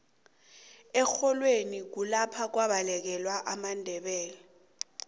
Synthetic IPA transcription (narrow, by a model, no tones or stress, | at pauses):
ɛxɔlwenik̬ulapʰak̬waɓalɛk̬ɛlwaʔamandʱɛɓɛːlɛ